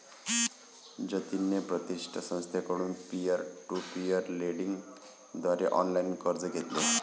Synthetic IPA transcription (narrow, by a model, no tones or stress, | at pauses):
d͡ʒət̪inːepɾət̪iʃʈʰəsʌ̃nst̪ʰekɔɽunpijəɾʈupijəɾleɖiŋɡ | d̪waɾeʔɔ̰nlainkəɾd͡zəket̪lo